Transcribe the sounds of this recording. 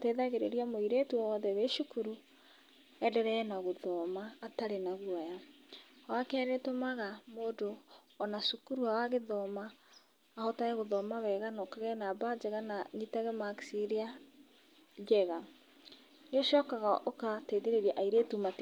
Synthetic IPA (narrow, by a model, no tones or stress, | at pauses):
teðaɣeɾeɾiamoiɾetuawɔðɛweʃukuɾu | ɛdɛɾɛːnaɣoðɔmaːtaɾenaɣwaja | wakɛɾetomaɣamoːdo | ɔnaʃukuɾuawaɣeðɔmaː | hɔtaɣɛɣoðɔmawɛɣanɔkaɣɛnabad͡ʒɛɣanaɲitaɣɛmaksiɾea | d͡ʒɛɣa | neʃɔkaɣaʔokateðeɾeɾiaʔaiɾetumat